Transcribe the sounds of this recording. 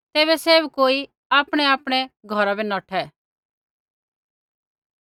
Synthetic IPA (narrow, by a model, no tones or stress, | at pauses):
t̪eːβɛseːbkoːi | aːpɽ̃ɛaːpɽ̃ɛɡʱɔɾabɛnɔʈʰɛ